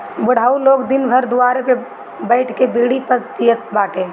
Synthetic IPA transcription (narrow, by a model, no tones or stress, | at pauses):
bʊɽ̤aːuloːɡd̪ɪnbʱəɾd̪ʊwaːɾeke | bəɪʈʰkebiːɽipəspijət̪̚baːʈe